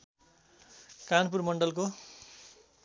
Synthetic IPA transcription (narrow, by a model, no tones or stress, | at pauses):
kanp̬urmʌɳɖʌlko